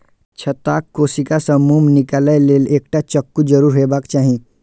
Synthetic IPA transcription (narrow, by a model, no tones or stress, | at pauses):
t͡ʃʰɐt̪aːkːoːsikasə̃muːmnɪkaːlajleːleːk̚ʈat͡ʃəkːud͡ʒəɾuːɾɦebakt͡ʃaːɦĩ